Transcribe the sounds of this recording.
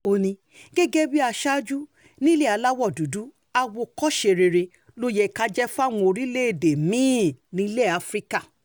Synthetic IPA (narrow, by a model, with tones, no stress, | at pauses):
o˧nĩ˧ | ɡ̥ɛ˦ɡe˦bi˦a˧ʃa˦d͡ʒu˦ | nĩ˦le˦˨a˧la˦wɔ˦˨du˨du˨˦ | a˧wo˧kɔ˦ʃe˧ɾe˧ɾe˧ | lo˦jɛ˦˨ka˦d͡ʒɛ˦fa˦˨w̃ũ˧o˧ɾi˦le˦e˨de˨mĩ˨˦nĩ˨˧˦le˦˨a˨˦fɾi˦ka˦˨